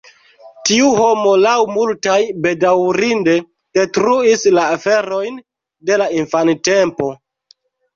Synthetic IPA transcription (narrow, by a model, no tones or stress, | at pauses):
tiuɦo̞mo̞lawmultajbe̞dawɾinde̞ | d̥etɾuislaːfe̞ɾo̞jn | de̞lainfante̞mpo̞